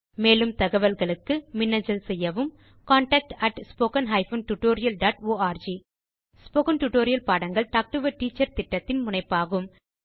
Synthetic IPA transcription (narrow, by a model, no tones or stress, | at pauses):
meːlɯmt̪ɐɣɐʋɐlɣɐɭɯkːɯmɪnːɐd͡ʒɐlsɛjːɐʋɯm | kaːɳʈɐk̚ʈɐʈspoːkɐnɦɐːɪfonʈuʈːoːɾɪjɐlɖaːʈoːaːɾd͡ʒi | spoːkɐnʈuʈoːɾɪjɐlpaːɽɐŋɡɐɭʈaːk̚ʈɯʋɐʈiːt͡ʃːɐɾt̪ɪʈːɐt̪ːɪnmʊɳɐɪpːaːɣɯm